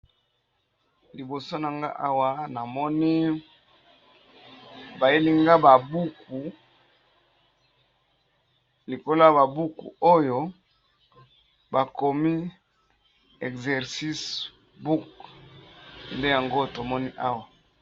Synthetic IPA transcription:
li˨bo˨so˦na˨ŋɡa̰˦ʔa˦wa˦na˨mɔ˦ni˦ | ba˨je˦li˦ŋɡa˦ba˨bu˦ku˨ | li˨ko˦la˦ja˨ba˨bu˦kṵ˨o˦jo˦ | ba˨ko˨mi˦ | ɛ˨kzɛ˨ʁsi˦s | bu˦k | nde˦ja˨ŋɡo˦to˨mɔ˦ni˦ʔa˦wa˨

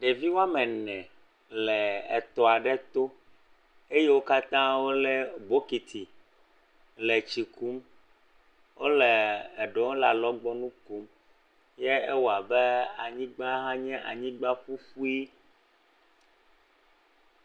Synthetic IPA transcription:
ɖe˨vi˦wa˦mɛ̃˨nɛ̃˨ | lɛ˨ɛ˨t̪ɔ˨a˨ɖɛ˦t̪o˦ | e˦je˦wo˦ka˦t̪ã˦wo˦lɛ˦bo˦ki˨t̪ʰi˨ | le˨t͡ʃi˨ku˦m | wo˦lɛː˨ɖɔ˨˦la˨lɔ˦ɡ͡bɔ˦nũ˦ku˦m | jɛ˦e˦wɔ˨a˨bɛ˦a˨ɲĩ˦ɡ͡ba˦ɦã˦ɲɛ̃˦ʔa̰˨ɲĩ˦ɡ͡ba˦ɸu˦ɸu˦i˦

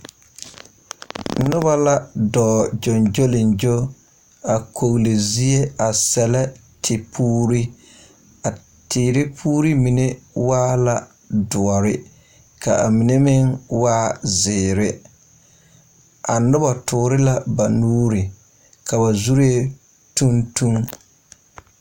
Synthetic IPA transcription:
nʊ˦ba˦la˦dɔː˨d͡ʒɔ˨nd͡ʒo˦lɪ˨nd͡ʒo˦ | a˨kʰo˨ɣle˨zi˦e˦a˨sɛ˨la˦ | tʰɪ˨pʰuː˦ɾi˦ | a˨ | tɪː˨ɾɪ˦pʰuː˦ɾi˦mi˨ne˦waː˦la˨ | dʊ˨ɔ˨ɾɪ˦ | ka˨a̰˨mi˨ne˦mɪ˦ŋwaː˦zɪː˨ɾɪ˦ | ʔa˨nʊ˦ba˨tʰʊː˨ɾɪ˦la˦ba˨nuː˦ɾɪ˨ | ka˨ba˨zu˦ɾe˦ | tu˦ntu˦ŋ

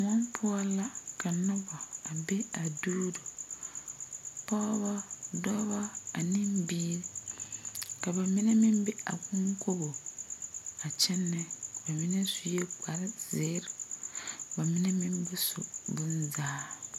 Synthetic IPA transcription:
mɔ˦mpʰʊ˦ɔ˦la˦ka˨nʊ̃˦bɔ˨a˨be˦a˨duː˦do˨ | pɔ˦bɔ˦dɔ˦bɔ˦a˨nĩ˦mbiː˦ɾi˦ | ka˨ba˨mĩ˦ne˦mĩ˦mbe˦a̰˨kʊ̃˦ŋkʰo˦bo˨ | a˨t͡ʃʰɛ˦nːɛ˦˨ba˨mɪ̃˦nɛ˦su˨je˦k͡pʰa˨ɾɪ˦z̥e˨˦ɾʊ˨ | ba˨mĩ˦ne˦mĩ˦mbɛ˦sʊ̰˨bʊ̃˦nzaː˦

